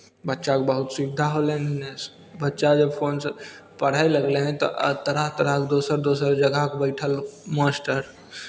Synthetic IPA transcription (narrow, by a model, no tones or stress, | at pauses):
bətːʃakebəɦut̪sikd̪ʱaɦolen | bətːʃad͡ʒəbpʰoːns | pəɽ̤aeləɡleɦɛ̃t̪ɔ̰ʔə̰t̪əɾəɦt̪əɾəɦkd̪oːsəɾd̪oːsəɾd͡ʒəɡʱaɦkbəɪʈʰəlmasʈəɾ